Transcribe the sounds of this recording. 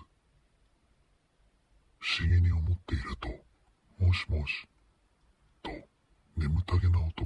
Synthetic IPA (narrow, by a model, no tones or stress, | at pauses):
ɸɕiɡʲiɲ̟io̞mo̞t̪ːe̞iɾɯ̟t̪o̞ | mo̞ːɕi̥mo̞ːɕi̥ | t̪o̞ | ne̞mɯ̟t̪aɡe̞naot̪o